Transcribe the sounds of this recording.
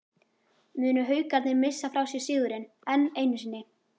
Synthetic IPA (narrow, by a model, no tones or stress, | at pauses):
mʏːnʏɦœːɥkat̪nɪmɪsːafɾawsjɛ̥siːðʏɾɪn | ɛnːeːjnʏsɪnːɪ